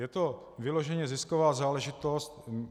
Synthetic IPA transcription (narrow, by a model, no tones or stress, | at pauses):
jɛt̪o̞ | vɪlo̞ʒɛɲɛzɪskovaːzaːlɛʒɪt̪ost̪